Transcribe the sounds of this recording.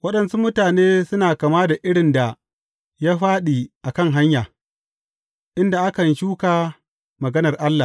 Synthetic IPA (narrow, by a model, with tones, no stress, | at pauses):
wɐ˦ɗɐ˨nsu˦mʊ˦taː˨neː˦sʊ˦naː˨ka˨maː˦da˨ʔɪ˦ɽɪ˨nda˨ | ja˦ɸaː˦ɗiː˨ʔa˨kɐ˦˨ŋɦa˦ɲjaː˨ | ʔɪ˦nda˨ʔa˦kɐ˨nʃuː˦kaː˨ | mɐ˨ɡɐ˦nɐ˨rʔa˦lːa˨